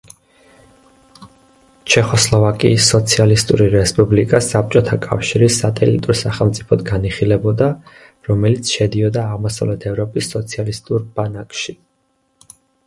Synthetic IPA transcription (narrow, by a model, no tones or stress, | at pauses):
t͡ʃʰɛχɔslˠɔvakʼḭːsːɔt̪sʰialist̪ʼṵɾiɾɛspʼublikʼasap̚t͡ʃʼɔt̪ʰakʼa̰fʃiɾisat̪ʼɛlḭt̪ʼuɾsaχɛlˠmt̪sʼipʰɔd̪ɡaniχilɛbɔd̪a | ɾɔmɛlit̪sʰʃɛd̪iɔd̪aːʁmɔsa̰vlɛt̪ʰɛvɾɔpʼisːɔt̪sʰialist̪ʼuɾbanakʼʃi